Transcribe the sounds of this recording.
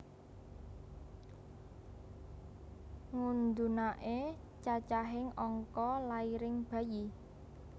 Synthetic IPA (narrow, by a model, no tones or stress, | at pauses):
ŋund̪unaʔe | t͡ʃat͡ʃaɦɪŋɔŋkɔlaiɾɪŋb̥ä̤ji